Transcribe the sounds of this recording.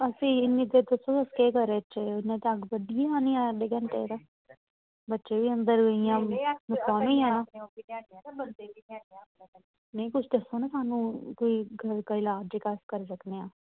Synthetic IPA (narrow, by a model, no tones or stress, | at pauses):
əsĩːɪnːiːt̪eːd̪ʊsõːəskeːkəɾeːt͡ʃeʊnːẽːt̪eəɡbəɖijaːniːãːɖeɡə̃nʈeːd̪aː | bətːʃeːʋiːənd̪əɾɡəijãːnʊkːaːmĩãːãː | t͡ʃei | nəĩːkʊt͡ʃʰd̪əsːoːnãːsaːnũːkoːiːɡʱəɾkəiːlaːd͡ʒeːkaːskəɾsəkneːãː